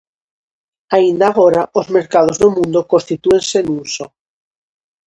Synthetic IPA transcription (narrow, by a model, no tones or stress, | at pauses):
aind̪aɣ̞oɾaozme̞ɾkað̞o̞zðomũnd̪okonst̪it̪ue̞nse̞nuso